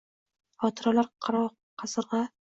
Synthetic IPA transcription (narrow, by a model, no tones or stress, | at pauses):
ɒt̪ʰɨɾalaɾqʰɑɾɒ | qʰɑsɨɾʁɑ